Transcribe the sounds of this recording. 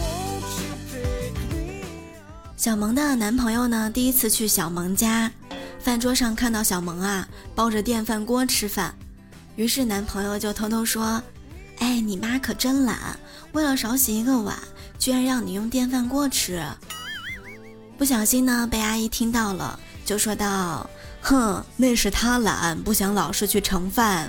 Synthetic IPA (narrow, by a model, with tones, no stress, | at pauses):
ɕjɑ˨˩ʊmɤ˧˥ŋd̪ə˧na˧˥npʰɤ˧˥ŋjo˥˧ʊnə˩t̪i˥˩i˧˥t͡sʰɹ̩˥˧t͡ɕʰy˥˩ɕjɑ˨˩ʊmɤ˧˥ŋt͡ɕja˥ | fa˥˩nʈ͡ʂwɔ˥ʂɑ˥˧ŋkʰa˥˧nt̪ɑ˥˩ʊɕjɑ˨˩ʊmɤ˧˥ŋɐ˧pɑ˥ʊʈ͡ʂə˨t̪jɛ˥˧nfa˥˩nkwɔ˥ʈ͡ʂʰɻ̩˥fa̰˥˩n | y˧˥ʂɻ̩˥˩na˧˥npʰɤ˧˥ŋjo˥˧ʊt͡ɕjo˥˩ʊt̪ʰo˧˥ʊt̪ʰo˥ʊʂwɔ˥ | e˥˩ɪni˨˩ma˥kʰɤ˨˩ʈ͡ʂə˥nla̰˨˧˦n | we˥˩ɪlə˩ʂɑ˧˥ʊɕi˧˥i˧˥ɡə˧wa̰˨˩˦n | t͡ɕy˥ɻa˧nɻɑ˥˩ŋni˨˩jʊ˥˧ŋt̪jɛ˥˧nfa˥˩˧nkwɔ˥ʈ͡ʂʰɻ̩˥˨˩ | pu˥˩ɕ̬jɑ˨˩ʊɕi˥nnə˨pe˥˧ɪa˥i˥t̪ʰi˥ŋt̪ɑ˥˩ʊlə̰˩ | t͡ɕjo˥˩ʊʂwɔ˥t̪ɑ˥˩ʊ | x̩˥˩ne˥˧ɪʂɻ̩˥˩t̪ʰa˥la̰˧˥npu˥˩ɕjɑ˧˥ŋlɑ˨˩ʊʂɻ̩˥˧t͡ɕʰy˥˩ʈ͡ʂʰɤ˧˥ŋfa˥˩n